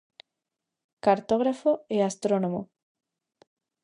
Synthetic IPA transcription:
kaɾt̪oɣ̞ɾafoeast̪ɾonomo

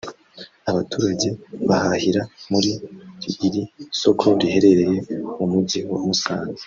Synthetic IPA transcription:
aβatuːɾaɟe̞βahahiɾamuɾiɾiiɾiso̞kʰo̞ɾihe̞ɾe̞ɾe̞je̞umuɟiwamusaːne

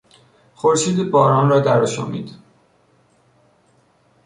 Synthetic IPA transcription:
xoɾʃiːd̪ibɒːɾɒːnɾɒːd̪æɾɔʃɒ̰ːmḭːd̪̥

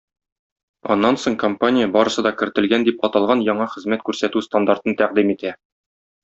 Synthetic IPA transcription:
ɒ̰nːɑnsoɴkompanʲɪjəbɒɾɤ̆sɤd̪ɒkɘ̆ɾt̪ɘ̆lɡænd̪ipɒt̪ɑlˠʁɑnjɒɴɑχɘ̆zmæt̪̚kʉɾsæt̪ʉst̪and̪art̪ɤnt̪æq̚d̪imit̪æ

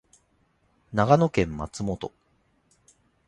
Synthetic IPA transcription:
naɡano̞kẽ̞mːa̰t͡sɨmo̞t̪o̞̰

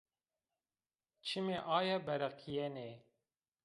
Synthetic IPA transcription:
t͡ʃʰimeʔɑːjɛbɛɾɛqʰijɛne

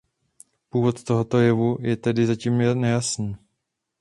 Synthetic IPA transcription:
puːvo̞t̪t̪o̞ɦo̞t̪o̞jɛvujɛt̪ɛdɪzaciːmnɛjasniː

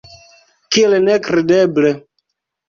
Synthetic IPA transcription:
kielnekɾedeble

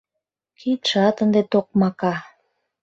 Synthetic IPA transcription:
kʰit̪ʃɑt̪ənd̪et̪ok̚mɑkɑ

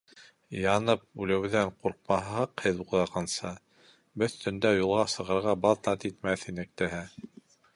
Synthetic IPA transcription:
jɑnɤp̚ʉlæwðæɴquɾq̚mɑɦɑqhɘðuðɑʁɑnsɑ | bɵθt̪ɵ̆nd̪æjulˠʁɑsɤ̆ʁɤ̆ɾʁɑbɑðnɑt̪it̪mæθinɘk̚t̪ɘɦæ

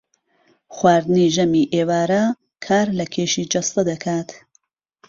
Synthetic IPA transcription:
xwaːɾd̪ɨniːʒɐmiʔeːwaːɾɐ | kʰaːɾlɐkʰeːʃid͡ʒɐst̪ɐd̪ɐkʰaːt̪

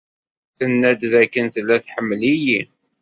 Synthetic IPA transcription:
θənːæd̪ðækːənθəlːæθħəmːliji

